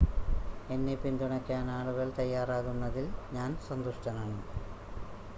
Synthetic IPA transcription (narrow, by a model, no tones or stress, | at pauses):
e̞nːipind̪uɳɐkʲːaːnaːɭuɣɐlt̪ɐjːaːraːɣunːɐðilɲaːnsɐnd̪uʂʈɐnaːɳɨ